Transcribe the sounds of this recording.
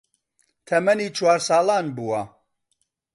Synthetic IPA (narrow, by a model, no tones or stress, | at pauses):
t̪ʰɐmɐniːt͡ʃʰwaːɾsaːlaːnbuwɐ